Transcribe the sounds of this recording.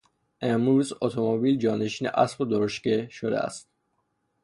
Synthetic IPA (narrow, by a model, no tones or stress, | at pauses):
ʔemɾuːzot̪ʰomobiːld͡ʒɒːneʃiːnḛʔæ̰sqod̪oɾoʃkeʃod̪ḛæ̰st̪̚